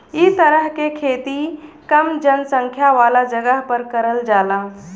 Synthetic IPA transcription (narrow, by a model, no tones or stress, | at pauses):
it̪əɾəɦkekʰeːt̪ikəmd͡ʒənsə̃ŋkʰjaʋaːlad͡ʒəɡəɦpəɾkəɾəld͡ʒaːla